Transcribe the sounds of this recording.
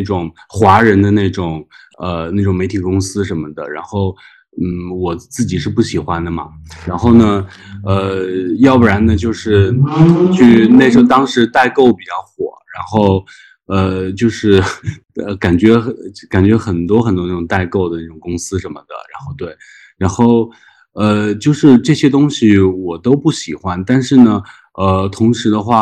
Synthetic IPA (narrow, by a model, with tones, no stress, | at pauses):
na˥˩ɪʈ͡ʂʊ˨˩ŋ | xwa˧˥ɻə˧˥nd̪ə˧na˥˩ɪʈ͡ʂʊ˨˩ŋ | ə˧na˥˩ɪʈ͡ʂʊ˨˩ŋme˧˥ɪt̪ʰi˨˩kʊ˥ŋsɹ̩˥ʂə˧˥nmə˧d̪ə˨ɻa˧˥nxo˥˩ʊ | n̩˥˩wɔ˨˩t͡sɹ̩˥˩t͡ɕi˨˩ʂɻ̩˥˧pu˥˩ɕi˨˩xwa˥nd̪ə˨mɐ̰˩ɻa˧˥nxo˥˩ʊnə˩ə˧jɑ˥˧ʊpɻa˧˥nd̪ə˧t͡ɕjo˥˧ʊʂɻ̩˥˧t͡ɕʰy˥˧ne˥˩ɪʂɻ̩˧˥˧t̪ɑ˥ŋʂɻ̩˧˥t̪a˥˧ɪko˥˩ʊpi˨˩t͡ɕjɑ˥˩ʊxwɔ̰˨˩˦ɻa˧˥nxo˥˧ʊ | ə˧t͡ɕjo˥˧ʊʂɻ̩˥˩ə˧ka˨˩nt͡ɕɥɛ˧˥ka˨˩nt͡ɕɥɛ˧˥xə˨˩nt̪wɔ˥xə˨˩nt̪wɔ˥a˥˩ʈ͡ʂʊ˨˩ŋt̪a˥˧ɪko˥˩ʊd̪ə˩a˥˩ʈ͡ʂʊ˨˩ŋkʊ˥ŋsɹ̩˥ʂə˧˥nmə˧d̪ə̰˩ɻa˧˥nxo˥˧ʊt̪we˥˩ɪ | ɻa˧˥nxo˥˩ʊ | ə˧t͡ɕjo˥˧ʊʂɻ̩˥˧ʈ͡ʂɤ˥˩ɕjɛ˥t̪̬ʊ˥ŋɕi˨˩wɔ˨˩t̪o˥ʊpu˥˩ɕi˨˩xwa˥nt̪a˥˧nʂɻ̩˥˩nə˩ | ə˧t̪ʰʊ˧˥ŋʂɻ̩˧˥d̪ə˧xwa˥˩